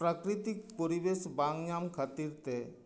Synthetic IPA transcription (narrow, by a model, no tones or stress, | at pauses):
pɾakɾit̪ik̚poɾibesbaŋjamkʰat̪iɾt̪ɛ